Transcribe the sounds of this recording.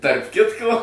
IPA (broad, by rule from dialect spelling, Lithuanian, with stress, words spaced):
tɐrp ˈkʲɪtkoː